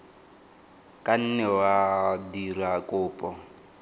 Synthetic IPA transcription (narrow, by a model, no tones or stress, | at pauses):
kʼan̩nɛwadirakʼʊːpʼɔ